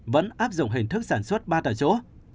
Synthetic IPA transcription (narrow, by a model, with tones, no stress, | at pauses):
və̰˧˥nʔaː˦˥p̚zʊ̰˧˨ŋ͡mɦï˨˩ŋ̟t̪ʰɨ˦˥k̚saː˧˩nswə˦˥t̚ɓaː˧t̪aː˨˩t͡ɕo˨˦